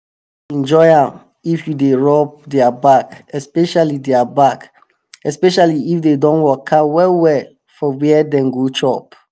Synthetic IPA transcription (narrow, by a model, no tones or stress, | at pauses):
ɛ̃nd͡ʒɔɪãm | ifjudeɹɔp̚dɛabakɛspɛʃalidɛabak | ɛspɛʃaliifdedɔ̃nwɔkʰːawɛwɛl | fɔwɛdɛ̃mɡot͡ʃɔp